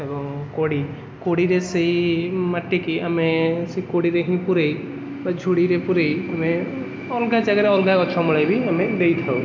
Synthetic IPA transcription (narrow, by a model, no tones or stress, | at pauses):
ebɔŋkoɽi | koɽiɾesejmaʈːekiamesekoɽiɾeɦĩpuɾej | bad͡ʒʱuɽiɾepuɾejame | ɔlɡad͡ʒaɡeɾeɔlɡakɔt͡ʃʰɔmlajbiamed̪ejt̪ʰaw